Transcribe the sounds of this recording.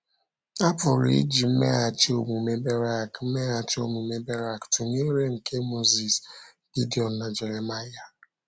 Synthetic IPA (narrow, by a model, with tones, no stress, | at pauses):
a˦pʊ˨ɾḭ˦d͡ʒi˨m̩˦mḛ˦a˨t͡ʃi˦o˦mu˨me˦be˦ɾa˦˨km̩˦me˦a˨t͡ʃɪ˦o˦mu˨me˦be˦ɾa˦ktʊ˨ne˦ɾe˦ŋ̩˨ke˦mo˦zi˨s | ɡ̥i˦di˨ɔ˨nna˨d͡ʒe˨ɾe˨ma˦ja˨